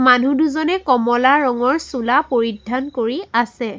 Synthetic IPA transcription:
manuduzɔnɛkɔmɔlaɹɔŋɔɹsulapoɹidʱːankoɹiasɛ

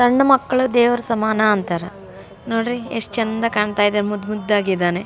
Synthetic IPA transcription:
t̪ɐɳːɐmɐkːɐɭud̪eːʋɐɾɐsɐmaːnaːnt̪aːɾɐ | noːɽɾieʂʈt͡ʃend̪ɐkaːɳt̪aːjd̪aːnmud̪mud̪ːaːɡid̪aːne

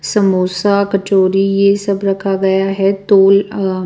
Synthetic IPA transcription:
sɐmoːsakɐʈoːɾijesɐbɾɐkʰaɡɐjaɦɛt̪oːl

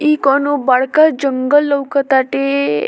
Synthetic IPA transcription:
ikɔnobaɭkad͡ʒəŋɡəlːəwkʰət̪aʈe

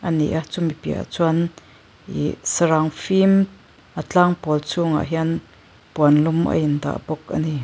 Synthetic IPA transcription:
ʔənḭʔat͡sumipiʔə̰t͡suan | ḭʔsəɾaŋfim | ʔət͡ɬaŋpɔlt͡sʰuŋa̰ʔɦin | puanlʊmʔə̰ʔind̪a̰ʔbɔkʔə̰ni

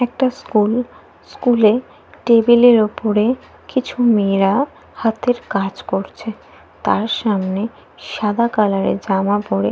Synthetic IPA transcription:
ɛk̚ʈaskul | skule | ʈebeleɾupoɾe | kit͡ɕʰumeɾa | hat̪ʰeɾkad͡ʑkoɾt͡ɕʰe | t̪a̰ɾʃamne | ʃad̪ʱakalaɾḛd͡ʑamapoɾe

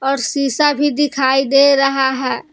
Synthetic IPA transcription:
ɔːɾsisabʱid̪ɪkʰaid̪eɾəɦaɦɛ

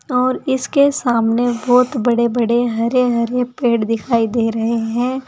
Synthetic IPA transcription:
ɔːɾɪskesaːmnebɔːt̪bɐɽebɐɽeɦɐɾeɦɐɾepeːʈd̪ɪkʰaːid̪eːɾɐɦeɦɛ̃ː

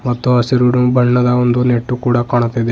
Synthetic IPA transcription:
mɐt̪ːuɐsiɾunubʱɐɳːɐd̪ɐond̪uneʈːukuːɽɐkaːɳɐt̪id̪e

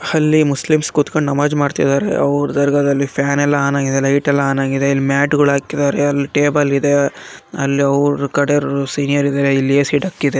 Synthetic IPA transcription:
hɐlːimuslimskut̪kɐɳɖnɐmaːd͡ʒmaːɖt̪id̪aːɾḛʔɐʋɾud̪ɐɾɡɐd̪ɐlːipʰjaːnɛlːɐaːnaːɡid̪elɐjʈɛlːɐaːnaːɡid̪eilːimaːʈɡɐɭaːkid̪aːɾeɐlːiʈeːbɐlid̪eɐlːiɐʋɾukɐɽejɾusiːnijɐɾid̪aɾeilːieːsiːʈɐkːid̪e

